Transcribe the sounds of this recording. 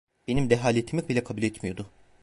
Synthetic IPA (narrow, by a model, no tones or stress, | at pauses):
b̥enimd̪ɛɦaːlʲet̪ʰimik̚bilʲɛkʰabuːlʲɛt̪mijo̞d̪ʊ